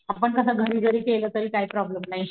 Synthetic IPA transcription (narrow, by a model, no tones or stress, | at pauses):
apəɳkəsaɡʱəɾiːɡʱəɾiːkeləːt̪əɾiːkaɦiːpɾɔbləmnaɦi